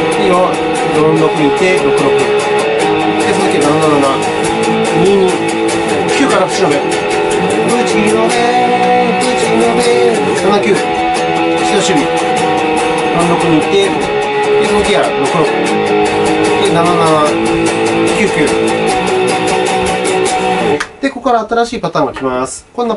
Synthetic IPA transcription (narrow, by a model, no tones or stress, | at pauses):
iɾo | d̪oɾõndokɯɲ̟iit̪ːe̞ɾo̞kɯ̟ɾo̞kɯ̟ | d̪esont̪okʲinanananana | ɲiɲi | kʲɨːkaɾakɯ̥siɾobe | pɯt͡ɕiinobe | k̪ɯt͡ɕiinobe | nanakʲɨː | ɕinaɕɨːmʲi | mãnɾokɯ̟ɲ̟iːt̪ːe | d̪esnokʲianokɯɾõ | d̪enanana | kʲɨːkʲɨː | d̪̥e̞ko̞koɾaːt̪aɾaɕiːpat̪ãːŋɡokʲimasɨ̥kõ̞nːa